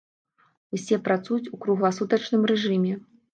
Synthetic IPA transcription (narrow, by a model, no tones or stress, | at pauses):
usʲɛpɾat̪sujut͡sʲukɾuɣlˠɐsut̪ɐt͡ʂnɨmrɛʐɨmʲɛ